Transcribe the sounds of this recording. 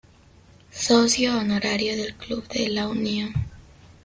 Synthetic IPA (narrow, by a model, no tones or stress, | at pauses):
sosjoːnoɾaɾjo̞ðe̞lkluβðelaunjon